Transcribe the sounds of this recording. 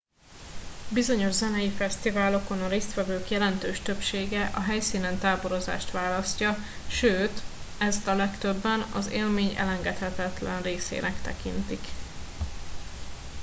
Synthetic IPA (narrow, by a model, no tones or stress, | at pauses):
bizo̞ɲo̞ʒzɛnɛjifɛst̪ivaːlo̞konɒɾeːst̪ʋɛvøːkjɛlɛnt̪øːʃt̪ø̞pʃeːɡɛʔɒɦɛjsiːnɛnt̪aːbo̞ɾo̞za̰ːʃt̪ʋaːlɒscɒ | ʃøːt̪ | ɛst̪ɒlɛkt̪øbːɛnɒ̰zḛːlmeːɲɛ̰lɛŋɡɛt̪hɛt̪ɛt̪lɛnreːsḛːnɛkt̪ɛ̰kint̪ik